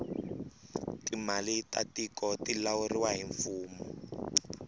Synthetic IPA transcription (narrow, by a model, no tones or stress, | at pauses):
timalitatikɔtilauriwaɦiɱfuːmɔ